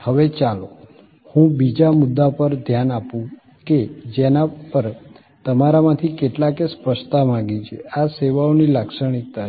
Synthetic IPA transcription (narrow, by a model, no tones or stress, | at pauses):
həʋet͡ʃalo | hũbid͡ʒamud̪ːapəɾd̪ʱjanapũ | ked͡ʒenapəɾ | t̪əmaɾamãt̪ʰikeʈlakespəʃt̪amãɡit͡ʃʰeaseʋaonilakʃəɽ̃it̪ːa